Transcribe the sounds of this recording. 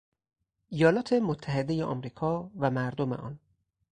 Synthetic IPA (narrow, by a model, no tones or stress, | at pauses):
ʔijɒːlɒːt̪ʰe̞mot̪ʰːæɦe̞d̪e̞jeʔɒ̰mɾiːkʰɒːvæmæɾd̪omḛʔɒ̰ːn